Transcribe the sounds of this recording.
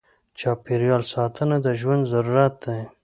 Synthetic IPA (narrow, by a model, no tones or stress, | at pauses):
t͡ʃɑpiɾjɑlsɑt̪ʰənad̪əʒwand̪zaɾuɾat̪̚d̪aj